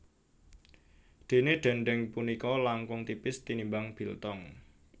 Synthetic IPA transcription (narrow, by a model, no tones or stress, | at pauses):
d̪̥e̤neɖ̪̥ɛ̤ɳɖɛŋpunikɔlaŋkʊŋt̪ipɪst̪inimbaŋb̥i̤lt̪ɔŋ